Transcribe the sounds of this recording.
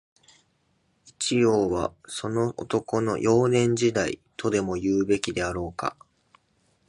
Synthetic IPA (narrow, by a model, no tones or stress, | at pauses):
it͡ɕijo̞ːβa̰so̞no̞ʔo̰t̪o̞ko̞no̞̰jʔo̞ːnẽ̞ɲ̟d͡ʑid̪aḭt̪ʰo̞d̪e̞mo̞jɯːbe̞kʲid̪e̞aɾo̞ːka̰